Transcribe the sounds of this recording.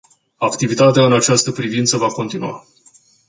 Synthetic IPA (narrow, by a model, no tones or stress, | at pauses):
akt̪ivit̪at̪eaɨnat͡ʃast̪əpɾivint̪səvako̞nt̪inua̰